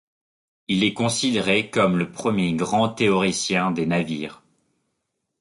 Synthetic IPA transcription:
ilɛkɔ̃sid̪eʁekɔmləpχəmjeɡʁɑ̃t̪eɔʁisjɛ̃d̪enavḭːʁ

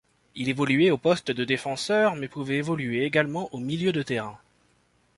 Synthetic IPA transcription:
ilevɔlyɛopɔst̪d̪əd̪efɑ̃sœʁmɛpuvɛevɔlyeːɡalmɑ̃ʔomiljød̪ət̪eʁɛ̃

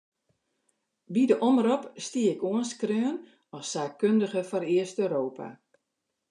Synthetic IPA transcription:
bidəʔɔmrɔpstiəɪkuənskrøːən | ɔssaːkkøndəɣəfɔrɪəstøːɾoːpʰa̰

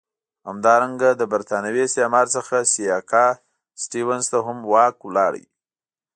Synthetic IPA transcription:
hamd̪ɑɾaŋɡad̪əbaɾt̪ɑnawesɑmɑɾt͡səxasijɑkɑ | sʈiwanzt̪aɦʊmwɑkwlɑɽə̰j

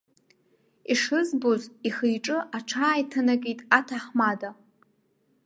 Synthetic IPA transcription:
iʂɨzboziχijʈ͡ʂʼɨʔaʈ͡ʂʰaːjtʰanakʼijtʼatʰaħmada

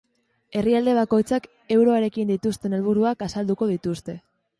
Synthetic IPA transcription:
e̞riald̪e̞β̞ako̞jt͡sak | e̞wɾo̞aɾe̞kind̪it̪ust̪e̞ne̞lβ̞uɾuakasald̪uko̞ð̞it̪ust̪e̞

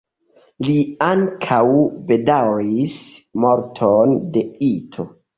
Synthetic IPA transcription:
liaŋkʰawbe̞dawismoɾtʰonde̞itʰo̞

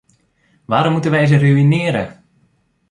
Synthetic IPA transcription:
ʋaːɾɔmːutənʋɛjz̬əryinɪəɾə

